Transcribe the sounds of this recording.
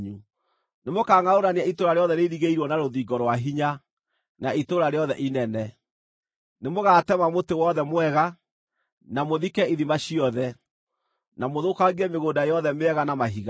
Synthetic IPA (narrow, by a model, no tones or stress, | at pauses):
ɲu | nemokaːŋaoɾaneaitoɾaɾeɔðɛneɾiɣeiɾwɔnaɾoðiːɡɔɾwaɦiɲa | naitoɾaɾeɔðɛʔinɛnɛ | nemoɣaːtɛmamotewɔðɛmwɛɣa | namoðikɛiðimaɕiɔðɛ | namoðokaɣiɛmeɣoːdajɔðɛmeɛɣanamaɦiɣa